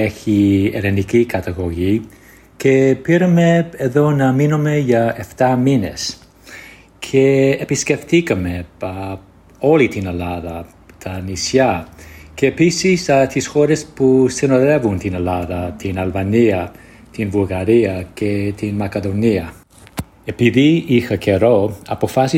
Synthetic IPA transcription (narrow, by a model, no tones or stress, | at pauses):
eçiḛlenicikɐt̪ɐɣo̞ʝi | ce̞piɾɐme̞eðo̞nɐminomeʝɐe̞ft̪ɐmine̞̰s | cʰe̞ːpisce̞ft̪ikɐme̞ | o̞lit̪ine̞lɐðɐ | t̪ʰɐnisjɐceːpisist̪isxoɾespusinoðevunt̪inelaðɐt̪inɐlvɐniɐ | t̪invulɣɐɾiɐcʰet̪inmɐkeðoniɐ | epiðiixɐcʰeɾoɐpo̞fasi